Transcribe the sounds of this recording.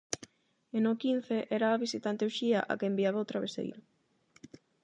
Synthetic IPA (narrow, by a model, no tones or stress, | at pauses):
enokin̟θeʔɛɾaːβisit̪ant̪ewʃiaʔa̰kembiaβawt̪ɾaβesḛjɾʊ